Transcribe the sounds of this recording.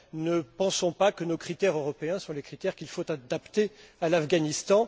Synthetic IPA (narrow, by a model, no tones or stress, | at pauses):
nəpɑ̃sɔ̃pakənokχit̪ɛʁøʁɔpeɛ̃sɔ̃lekχit̪ɛʁkʲilfot̪ad̪apt̪ealafɡanist̪ɑ̃